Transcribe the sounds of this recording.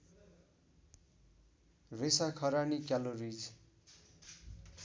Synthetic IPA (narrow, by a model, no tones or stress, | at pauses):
resakʰʌɾanikjalorid͡z